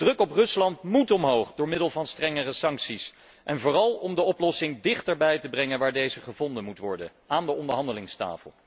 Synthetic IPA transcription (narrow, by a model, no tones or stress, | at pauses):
d̥rɵkɔprɵslɑntmutɔmɦowχdʊːɹmɪdəlˠvɑnstrɛŋərəsɑŋksis | ʔɛnvʊːrɑlˠɔmdəɔplɔsɪŋdɪχtəɹbɛjtəbrɛŋənʋaːɹdejzəχəvɔndənmutʋɔɹdən | aːndəɔndəɹɦɑndəlɪŋsta̰ːfə̰lˠ